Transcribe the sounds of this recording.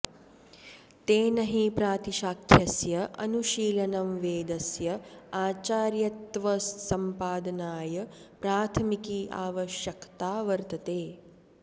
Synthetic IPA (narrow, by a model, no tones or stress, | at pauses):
t̪eːnɐɦipɾaːt̪iʃaːkʰjɐsjɐʔɐ̰nuʃiːlɐnɐmʋeːd̪ɐsjɐaːt͡ʃaːɾjɐt̪ʋɐːɐmpaːd̪ɐnaːjɐpɾaːt̪ʰɐmikiʔa̰ːʋɐʃjɐkt̪aːʋɐɾt̪ɐt̪eː